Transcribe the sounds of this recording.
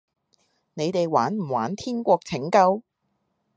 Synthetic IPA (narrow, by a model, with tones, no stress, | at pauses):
ne˨˧jt̪e˨jwaː˨˥nm̩˨˩waː˨˥nt̪ʰiː˥nkʷɔː˧k̚t͡sʰɪ˨˥ŋkɐ˧w